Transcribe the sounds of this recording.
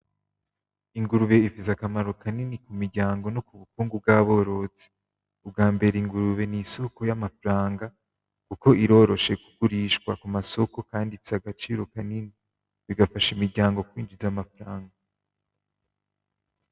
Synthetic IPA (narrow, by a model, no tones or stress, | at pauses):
iŋɡuɾuβe̞ifizakamaɾo̞kaninikumiɾɟaːŋɡo̞no̞kuβukuːŋɡub̚ɡaːβo̞ɾo̞t͡se̥ | ub̚ɡaːmbe̞ɾeiŋɡuɾuβe̞niso̞ko̞jamafɾaːŋɡa | kuko̞ʔiɾo̞ɾo̞ʃe̞kuɡuɾiːʃkwakumaso̞ko̞kaːndifizaɡat͡ʃiːɾo̞kanini | βiɡafaʃimiɾɟaːŋɡo̞kwiːnd͡ʒizamafaɾaːŋɡa